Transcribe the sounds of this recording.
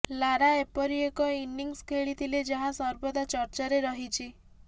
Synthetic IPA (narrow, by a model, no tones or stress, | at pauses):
laɾaepɔɾiekɔinːiŋskʰeɭit̪ʰiled͡ʒaɦãsɔɾbɔd̪at͡ʃɔɾt͡ʃaɾeɾɔɦit͡ʃʰi